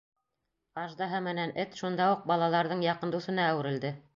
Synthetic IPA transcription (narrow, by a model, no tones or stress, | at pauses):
ɑʒd̪ɑɦɤmɘ̆nænɘt̪ʃund̪ɑuq̚bɑlˠɑlˠɑɾðɤɴjɑqɤ̆nd̪usɤ̆nɑːwɘ̆ɾɘ̆ld̪ɘ